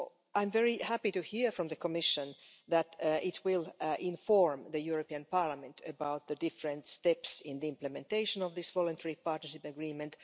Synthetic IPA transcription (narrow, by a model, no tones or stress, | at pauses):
ʔãɪ̃mvɛɹihæpitɨhiɹfɹɔ̃mðəkʰɔmɪʃə̃n | ðætʔɪtʰwɪlʔɪ̃ɱfɔɹmðəjuɹopiɨ̃npɑɹlamɨ̃ntʰəbaʊt̪̚ðədɪfɹə̃nt̪stɛpsɪ̃nðiɪ̃mpləmɛ̃nteɪʃə̃nɔvðɪsvɔlˠə̃ntʰɛɹipɑɹtnəʃɪpəɡɹĩːmɨ̃nt̪